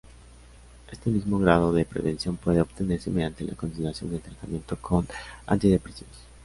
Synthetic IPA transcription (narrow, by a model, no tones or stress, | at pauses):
e̞st̪e̞mizmo̞ɣɾaðoðepɾeβe̞nsjo̞mpwe̞ðeo̞βt̪ene̞ɾse̞meðjant̪elʔa̰ko̞nsiðeɾasjo̞net̪ɾat̪amje̞nt̪o̞kʰona̰nt̪iðe̞pɾesjone